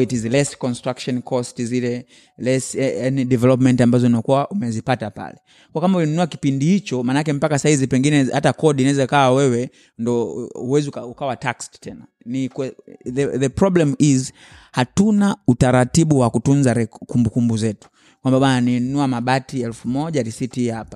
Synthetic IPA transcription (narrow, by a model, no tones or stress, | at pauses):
itizlɛskɔnstɾakʃɔnkʰɔstizilɛ | lɛsɛɛniɗɛvɛlɔpmɛntambazɔnakuaʔumɛzipatapa̰lɛ | kɔakambaulinunuaki̥pindihit͡ʃɔmanakɛm̩pakasahizipɛŋɡinɛhatakɔɗinaɛzakawawɛwɛ | ndɔuwɛzikaukawataksttʰɛna | nikɛɛðɛpɾɔblɛmiz | hatunautaɾatiɓuwakutunzaɾɛkumbukumbuzɛtu̥ | kwambaɓananinunuamaɓatiɛlfumɔʄaɾisitihapḁ